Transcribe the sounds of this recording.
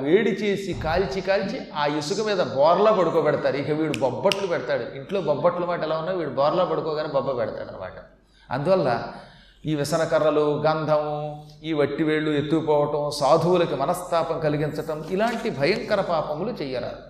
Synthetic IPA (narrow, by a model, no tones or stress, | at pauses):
ʋeːɽit͡ʃe̞ːsikaːlt͡ʃikaːlt͡ʃi | aːjusukɐmiːd̪ɐbɔːɾɐlaːpɐɽukɔːbɛɽɐt̪aːɾuikɐʋiːɽubɔbːɐʈlupɛɽɐt̪aːɽuiɳʈlo̞ːbɐbːɐʈlɐmaːʈɐɛlaːunːaːɾuʋiːɽubɔːɾlaːpɐɽukɔːɡaːneːbɐbːɐpɛɽɐt̪a̰ːɽɐnɐ̰ma̰ːʈɐ | ɐ̰nd̪uʋɐlːɐ̰ | iːʋisɐnɐkɐɾːɐluɡɐnd̪ʱɐmiːʋɐʈːiʋeːɭːuet̪ːupɔːʋɐʈɐmsaːd̪ʱɐwulɐkimɐnɐst̪ʰaːpɐŋkɐliɡint͡ʃɐʈɐmilaːɳʈibʱɐjɐŋkɐɾɐpaːpɐmlut͡ʃɛjːɐɾa̰ːɾu